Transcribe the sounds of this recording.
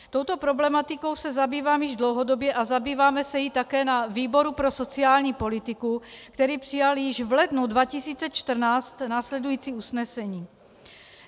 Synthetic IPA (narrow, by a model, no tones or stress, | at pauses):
t̪owt̪o̞pɾo̞blɛmat̪ɪko̞wsɛzabiːvaːmjɪʒdlowɦo̞do̞bjɛʔazabiːvaːmɛsɛjɪt̪akɛːnaviːboɾupɾoso̞t͡sɪaːlɲiːpo̞lɪt̪ɪkukt̪ɛɾiːpr̥ɪjaljɪʒvlɛdnudvacɪsiːt͡sɛt͡ʃt̪r̩naːt͡st̪naːslɛdujiːt͡siːʔusnɛsɛɲiː